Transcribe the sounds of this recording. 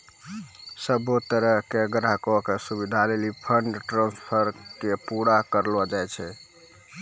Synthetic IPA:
səbot̪əɾəɦkeɡɾakokesubid̪ʱalelipʰəɳɖʈɾãnspʰəɾkepuɽakəɾlad͡ʒajt͡ʃʰɛ

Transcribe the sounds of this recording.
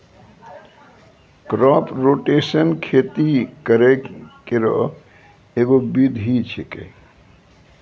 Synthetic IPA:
pɾɔpɾoʈesənkʰet̪ikəɾekeɾɔ̰ | eɡobid̪ʱɦit͡ʃʰekḛ

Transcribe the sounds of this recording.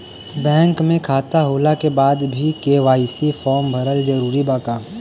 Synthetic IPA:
bɛ̃ːŋkmẽkʰaːt̪aɦoːlakebaːd̪bʱikeːʋaːisifʰɔːɾmbʱɐɾəld͡ʒɐɾuːɾibaːkaː

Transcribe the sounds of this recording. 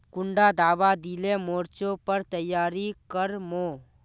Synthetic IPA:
kʊɳɖad̪aːbad̪ilemoɾt͡ʃopəɾt̪əjːaːɾikəɾmoː

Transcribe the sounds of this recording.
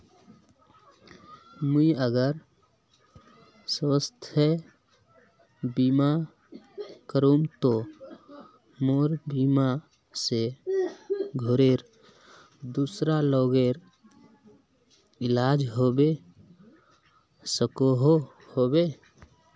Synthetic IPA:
məiəɡəɾ | swəst̪ʰə | biːma | kəɾũŋt̪o | moːɾbima | se | ɡʱoɾeɾ | d̪uːsɾaloːɡeɾ | ɪlaːd͡ʒɦoːbe | səkoɦo | hobe

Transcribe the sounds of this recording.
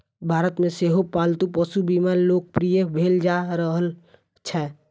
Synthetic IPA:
bʱaːɾət̪mẽseːɦopaːlt̪upəsubiːmaːɾloːk̚pɾijəbʱeːld͡ʒaɾəɦəl | t͡ʃʰɛː

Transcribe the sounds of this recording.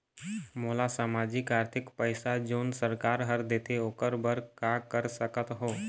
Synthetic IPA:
molasaːmad͡ʒɪkaːɾt̪ʰɪkpəjsad͡ʒoːnsəɾkaːɾɦəɾd̪et̪eoːkəɾbəɾkakəɾsəkət̪ɦoː

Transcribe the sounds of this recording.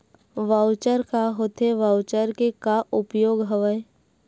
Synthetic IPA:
ʋawt͡ʃəɾkaɦoːt̪ʰeʋawt͡ʃəɾkekaʔʊpjoːɡɦəʋə

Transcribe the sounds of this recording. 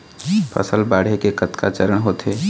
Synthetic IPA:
pʰə̰səlbaːɽ̤ekekət̪kʰa̰t͡ʃəɾəɳɦoːt̪ɦe

